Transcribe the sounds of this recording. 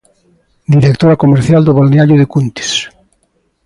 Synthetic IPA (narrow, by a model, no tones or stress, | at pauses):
d̪iɾek̚t̪oɾakomeɾθjald̪oβolneaʎoðekunt̪e̥s